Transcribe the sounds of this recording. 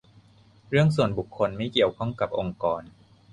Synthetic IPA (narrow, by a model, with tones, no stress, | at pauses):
ɾɯ˥˩əŋsu˨˩ənbu˨˩kʰːo˧nma˥˩jki˨˩əwkʰɔ˥˩ŋka˨˩p̚ʔo˧ŋkɔː˧n